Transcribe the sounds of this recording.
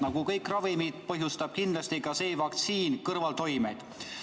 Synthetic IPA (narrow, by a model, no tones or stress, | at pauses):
nɑɡ̥ukɤjkrɑvimid̪̥pɤɦjust̪ɑb̥kind̪lɑst̪ikɑse̞ːvɑkt̪siːnkɤrvɑlt̪o̞jme̞jd̪̥